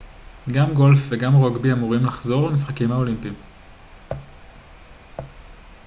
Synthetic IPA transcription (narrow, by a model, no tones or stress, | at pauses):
ɡamɡo̞lfveɡamʁoɡbiamuʁimlaχzo̞ʁlemis̬χakimhao̞limpim